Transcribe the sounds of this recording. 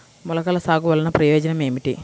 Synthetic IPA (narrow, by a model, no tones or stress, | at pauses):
mulɐkɐlɐsaːɡuʋɐlɐnɐpɾɐjoːd͡ʒɐnɐme̞ːmiʈi